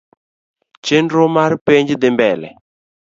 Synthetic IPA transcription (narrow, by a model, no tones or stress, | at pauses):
t͡ʃɪndomaɾpeɲd͡ʒɪd̪ɪmbɛlɛ̰